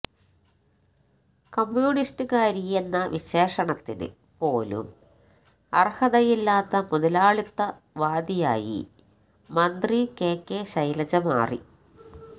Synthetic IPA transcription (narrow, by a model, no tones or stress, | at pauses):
kɐmjuːɳistɨkaːɾijenːɐʋiɕe̞ːʂɐɳɐt̪ːinɨ̰ | po̞ːlṵm | ɐrhɐðɐjilːaːt̪ːɐmuðɐlaːɭit̪ːɐ | ʋaːd̪ijaːjḭ | mɐnd̪rikeːkːeɕɐjlɐd͡ʑɐma̰ːrḭ